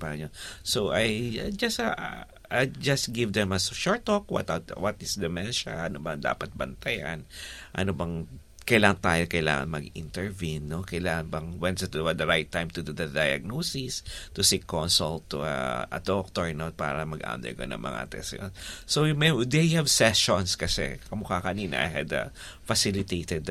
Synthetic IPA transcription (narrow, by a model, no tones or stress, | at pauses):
paɲonsoʔajad͡ʒɐsɐ | ad͡ʒɐst̪ɡɪvd̪ɛmɐsʃɔɹt̪ːokwɐ̰t̪at̪wɐt̪ɪsd̪ɛmɛnʃɐ̰ʔɐnobɐŋd̪a̰ːpɐt̪̚bɐnt̪ɐja̰nʔɐ̰nobɐŋ | kɐjlaːŋɐnt̪aːjokɐjla̰ːŋɐ̰ŋmɐɡɪ̰nt̪ɛɹvinːokɐjlaːŋɐnbɐŋwɛnst̪wɐd̪ɐɾajt̪ːãjmt̪ʊd̪ud̪ɐd̪ɐjɐ̰ɡ̚noːsist̪ʊsikːonsʊlt̪ːuɐ̰ʔɐ̰d̪ok̚t̪oɹnot̪̚pa̰ːɾɐmɐɡʔa̰md̪ɛ̰ɹkonɐ̰ŋmʔɐ̰ŋa̰t̪ɛ̰sjo̰nsojʊmɐjd̪ehɐvsɛsonskɐsɛ̰kɐmʊkakɐniːnɐ̰ʔa̰jhɐ̰d̪ɐ̰ | fɐsilɪt̪ejt̪ɛd̪